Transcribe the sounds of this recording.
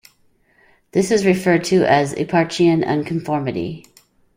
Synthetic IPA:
ðɪsɨzɹɨfɜ˞d̚tʰɨʔɨzɪ̰pʰɑɹt͡ʃiɨ̃nʌ̰̃nkʰɱfɔɹmɨɾḭ

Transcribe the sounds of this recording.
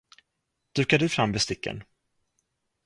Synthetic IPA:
d̪̥ʉ̟ːkaɖɵfɾamːvɛst̪ɪkːə̰n

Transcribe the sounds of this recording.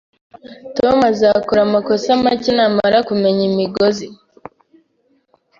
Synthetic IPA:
tomazakuɾamakosamacinamaɾakume̞ɲimiɡozi

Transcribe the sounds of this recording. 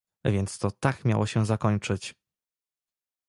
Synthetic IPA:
vʲjɛnt̪st̪ɔt̪akmʲja̰wʔɔɕɛzakɔɲt͡ʂɘt͡ɕ

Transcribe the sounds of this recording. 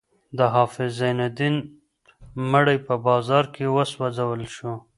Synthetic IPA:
d̪əɦɑfɪzːajnad̪in | məɽəjpəbɑzɑɾkʰewəswazawəlʃo

